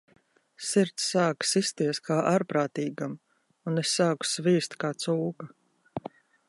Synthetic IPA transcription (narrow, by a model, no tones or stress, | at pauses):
siɾt̪sːaːksist̪iɛskʰaːʔaɾpɾaːt̪iːɡam | unesːaːku̥sviːst̪kaːt̪suːka